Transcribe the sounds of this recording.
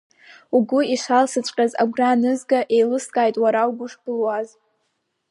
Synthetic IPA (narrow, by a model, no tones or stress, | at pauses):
uɡʷʊiʂalsɨt͡ɕʷʼqʲʼaza̰ɡʷranɨzɡaʔe̞jlɨskʼaːjtʼwaɾauɡʷʊʂbɨlwaz